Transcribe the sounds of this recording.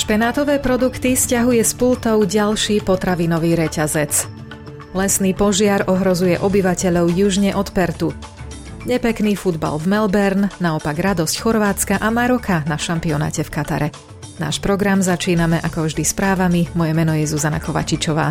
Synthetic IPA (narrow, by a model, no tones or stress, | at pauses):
ʃpɛnaːt̪ɔʋɛːpɾɔd̪ukt̪iscaɦujɛspult̪ɔʊɟalʃiːpɔt̪ɾaʋinɔʋiːɾɛcazɛt͡s | lɛsniːpɔʒɪaɾɔɦɾɔzujɛʔɔbiʋacɛʎɔʊjuʒɲɛʔɔt̪pɛɾt̪u | ɲɛpɛkniːfud̪ba̰lvmɛlbɛɾnnaɔpaɡɾad̪ɔscxɔɾʋaːt͡skaʔamaɾɔkʰanaʃampiɔna̰ːcɛfkat̪aɾɛ | na̰ːʃpɾɔɡɾamzat͡ʃiːnamɛʔakɔvʒd̪ispɾaːʋamimɔjɛmɛnɔjɛzuzana̰kɔʋa̰t͡ʃit͡ʃɔʋa̰ː